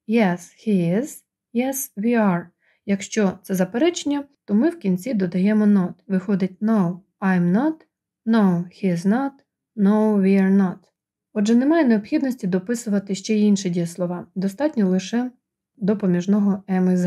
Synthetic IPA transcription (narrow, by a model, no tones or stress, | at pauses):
jɛshiz | jɛsʋʲiɑr | jɐkʃt͡ʃɔt̪sɛzɐpeɾɛt͡ʃnʲɐt̪ɔmɪwkʲinʲt͡sʲid̪ɔd̪ɐjɛmɔnɔt̪ʋɪxɔd̪ɪt̚ʲnow | ɐjmnɔt̪ | nowhiznɔt̪ | nowʋʲiɐrnɔt̪ | ɔdʒɛnemɑjɛneɔpxʲid̪nɔsʲtʲid̪ɔpɪsʊʋɐt̪ɪʃt͡ʃɛinʃɛdʲijslˠɔʋɑd̪ɔst̪ɑtʲnʲɔlˠɪʃɛ | d̪ɔpɔmʲiʒnɔɦɔɛmɛz